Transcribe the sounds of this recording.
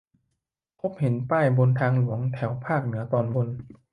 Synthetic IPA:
pʰo˧˦˥p̚he˩˦npaː˥˩jbo˧nt̪ʰaː˧ŋlu˩˦əŋt̪ʰɛ˩˦wpʰaː˥˩k̚nɯ˩˦ɐt̪ɔː˧nbo˧n

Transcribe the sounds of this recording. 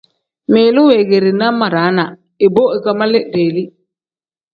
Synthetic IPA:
me˨lu˦we˨ɡe˨ɾi˨na˦ma˨ɾa˨˦na˨ | e˨bo˦e˨ka˨ma˦le˦de˨li˦

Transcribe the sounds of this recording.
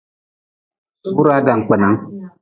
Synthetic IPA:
suː˦ɾaː˦da˨ŋkʷa˨na˦ŋ

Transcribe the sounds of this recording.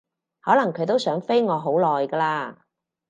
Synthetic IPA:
hɔː˨˥lɐ˨˩ŋkʰɵ˨˧ɥt̪̬o˥wsœː˨˥ŋfe˥jŋɔː˨˧ɦo˨˥wlɔː˨jkɐː˧laː˧

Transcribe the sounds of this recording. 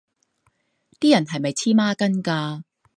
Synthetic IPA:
t̪iː˥jɐ˨˩nɦɐ˨jmɐ˨jt͡sʰiː˥maː˥kɐ˥nkaː˧

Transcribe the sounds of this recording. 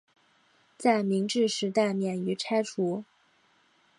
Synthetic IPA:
t͡sa˥˩ɪmi˧˥ŋʈ͡ʂɻ̩˥˩ʂɻ̩˧˥t̪a˥˩ɪmjɛ˨˩ny˧˥ʈ͡ʂʰa˥ɪʈ͡ʂʰu˧˥

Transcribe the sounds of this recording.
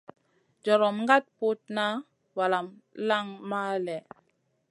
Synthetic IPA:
d͡ʒɔ˨ɾɔ˨mŋɡa˦t̚pu˦t̚na˦ | wa˨la˨mla˦ŋma˦lɛ˨

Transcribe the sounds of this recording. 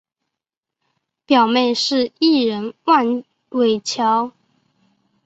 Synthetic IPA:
pjɑ˨˩ʊme˥˧ɪʂɻ̩˥˧i˥˩ɻə˧˥nwa˥˧n | we˨˩ɪt͡ɕʰjɑ˧˥ʊ

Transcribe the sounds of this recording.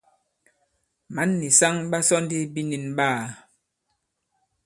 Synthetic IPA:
ma˨˦nːi˨sa˦ŋɓa˦sɔ˦ndi˦bi˦ni˨nɓaː˦˨

